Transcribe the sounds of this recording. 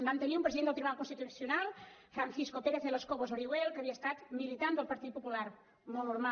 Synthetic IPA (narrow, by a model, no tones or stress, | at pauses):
bant̪əniumpɾəziðend̪lˠt̪iβunalkunsit̪usjunalˠ | fɾanθiskopeɾeθeleskoβozoɾiwelˠkəβiəst̪at̪milit̪and̪əlˠpəɾt̪it̪̚pupulaɾ | nonuɾma